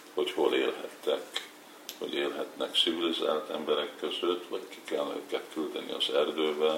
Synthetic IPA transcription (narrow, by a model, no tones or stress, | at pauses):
ho̞cho̞lḛːlɦɛt̪ːɛk | hɒ̰ɟeːlɦɛt̪nɛktsiviliza̰ːlt̪ɛmbɛɾɛkːø̞zøt̪ːʋɒcki̥kɛlnø̰kɛt̪kyld̪ɛnḭɒ̰zɛrd̪øːvɛl